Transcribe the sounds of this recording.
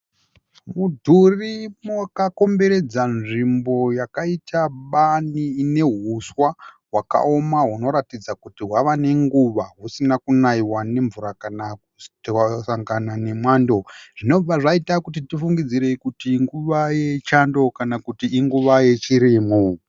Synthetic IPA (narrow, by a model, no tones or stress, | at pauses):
mudʱurimokako̞mbe̞ɾe̞d͡zanʐimbo̞jakaitʰaɓaniːne̞ɦuswa | waka̰o̞maɦuno̞ɾatid͡zakutiɦwaʋane̞ŋɡuʋaɦusinakunaiwane̞ɱvuɾakanakuasaŋɡanane̞mwaːndo̞ʐ̥ino̞aʐaitakut̬itifuŋɡid͡ziɾe̞kutiŋɡuʋaje̞t͡ʃando̞kanakutiːŋɡuʋaje̞t͡ʃiɾiːmo